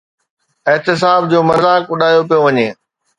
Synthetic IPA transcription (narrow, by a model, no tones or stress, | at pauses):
ɪɦt̪ɪs̬aːbd͡ʑoːmɐzaːkʊɗaːijopijoʋɐɲeː